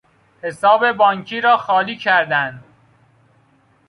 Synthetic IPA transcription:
he̞sɒːbe̞bɒːŋkʰiːɾɒːxɒːliːcʰæɾd̪ænd̪

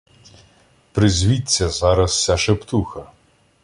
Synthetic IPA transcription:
pɾɪzʲʋʲitʲt͡sʲːɐzɑɾɐssʲaʃept̪uxɐ

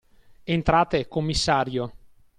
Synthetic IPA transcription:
ent̪ɾaːt̪ekomːisːaːɾjo

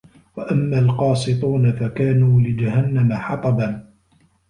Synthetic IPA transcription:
waʔamːaːlqɑːsˤɨt̪ˤuːnafakaːnuːlɪd͡ʒaɦanːamaħɑt̪ˤɑban

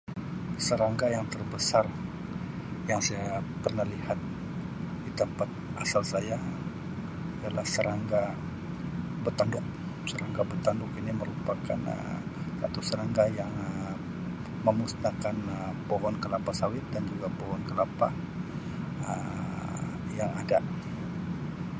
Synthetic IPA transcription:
səɾaŋɡajaŋt̪ərbəsar | jaŋsajaapərnahlihat̪̚ | didəmpat̪̚ʔasalsaja | adalahsəɾaŋɡa | bət̪andʊk̚ | səɾaŋɡabərt̪andʊkiniməɾupaka̰nə̰sa̰t̪usəɾaŋɡajaŋə | məmust̪akanəpoɦɔnkəlapahsawɪt̪̚dand͡ʒuɡapɔɦɔnkəlapah | ə | jaŋada

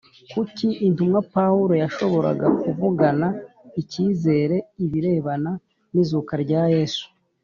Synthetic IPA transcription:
kuciintumŋapawuɾo̞jaʃo̞βo̞ɾa̰ɡakuvuɡanaiciːze̞ːɾe̞iβiɾe̞βana | nizukaɾɟaːje̞ːsu̥

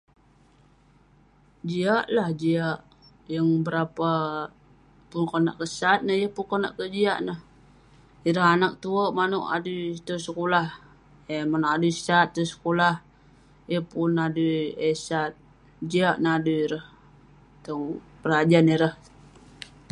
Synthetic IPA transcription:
d͡ʒiaʔlahd͡ʒiaʔ | jəŋbəɾapa | pʊnkona̰ʔkəsat̪̚nəhjəhpunkona̰ʔkəd͡ʒiaʔnəh | iɾəɦanak̚t̪uəʔmanuʔa̰dut̪əsəkolah | emanoʔaduisat̪ːəsə̥kolah | jəhpʊnaduesat̪̚ | d͡ʒiaʔnəɦaduiɾəh | t̪əŋ | pəɾad͡ʒaniɾəh

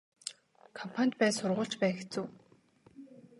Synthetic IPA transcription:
kʰɔmpʰanʲt̪̚pæːsʊrʁʊːɬt͡ɕpæːxe̥t͡suː

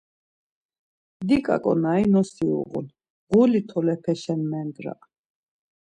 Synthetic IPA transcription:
d̪ikʼa̰kʼɔ̰nainɔsiṵʁṵn | ʁulit̪ʰɔlɛpʰɛʃɛnmɛnd̪ɾa̰ʔ

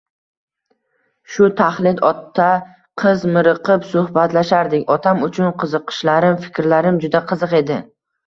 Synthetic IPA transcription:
ʃʊt̪ʰaχlˠɪd̪ɒt̪ʰːa | qʰɨzmɪɾɨqʰɨpsʊhbat̪laʃaɾd̪ɪkʲɒt̪ʰamʊt͡ʃʰʊnqʰɨzɨqʰɨ̥ʃlaɾɪmfɪ̥kʲɾlaɾɪmd͡ʒʊd̪aqʰɨzɨqe̞d̪ɪ

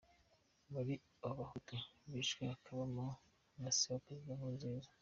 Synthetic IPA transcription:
βaɾi | aβahutoβiːʃɡeakʰaβamu | nasiwapɾezidamuːnzeːzḁ

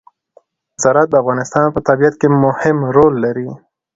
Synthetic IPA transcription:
wɪzɑɾat̪̚d̪əafɣɑnɪst̪ɑnpət̪abijat̪kemʊhɪmɾolːaɾi

